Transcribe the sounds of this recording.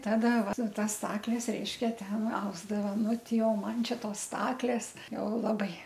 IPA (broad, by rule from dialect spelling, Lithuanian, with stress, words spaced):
ˈtɑːdɐ ˈʋɐ ˈtɐs ˈstɑːklʲɛs ˈrʲɛɪʃʲkʲɛ ˈtʲɛn ˈɐʊzdɐʋɐ ˈnʊˈtʲɪ oː ˈmɐn ˈt͡ʃʲɛ ˈtoːs ˈstɑːklʲeːs ˈjɛʊ ˈlˠɑːbɐɪ